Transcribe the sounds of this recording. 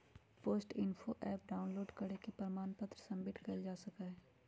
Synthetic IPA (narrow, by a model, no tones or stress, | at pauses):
poːsʈɪnfʰoʔɛːp̚ɖaːʊnloːɖkəɽekepɾmaːnpət̪ɾəsɐ̃mbʱɪʈkɐld͡ʒaːsɐkaːɛ